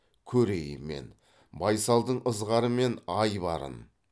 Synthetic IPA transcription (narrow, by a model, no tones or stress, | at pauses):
kʲʰɵɾe̞jə̰me̞̰n | bɑjsɑlˠd̪əɴəzʁɑɾəme̞nɑjbɑɾə̰n